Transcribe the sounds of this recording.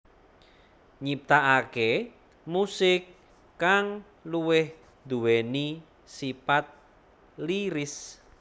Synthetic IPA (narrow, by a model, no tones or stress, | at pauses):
ɲip̚t̪aʔake | musɪkː | aŋ | luwɪh | d̪uweni | sipat̪̚ | liɾɪs